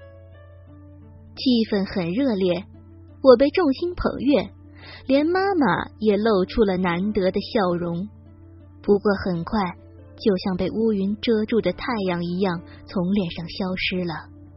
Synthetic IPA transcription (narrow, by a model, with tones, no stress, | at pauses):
t͡ɕʰi˥˧fə˥˩nxə˨˩nɻɤ˥˧ljɛ˥˩ | wɔ˨˩p̬e˥˧ɪʈ͡ʂʊ˥˩ŋɕi˥npʰɤ̰˨˩ŋɥɛ˥˩ | ljɛ˧˥nma˥ma̰˨˩jɛ˨˩lo˥˩ʊʈ͡ʂʰu˥lə˨na˧˥nt̪ɤ˧˥d̪ə˧ɕjɑ˥˩ʊɻʊ˧˥ŋ | pu˧˥kwɔ˥˩xə˨˩nkʰwa˥˧ɪ | t͡ɕjo˥˧ʊɕjɑ˥˧ŋpe˥˩ɪʔu˥y˧˥nʈ͡ʂɤ˥ʈ͡ʂu˥˩d̪ə˩t̪ʰa˥˧ɪjɑ˥˩ŋi˧˥jɑ˥˩ŋ | t͡sʰʊ˧˥ŋljɛ˥˧nʂɑ˥˩ŋɕjɑ˥ʊʂɻ̩˥lə˨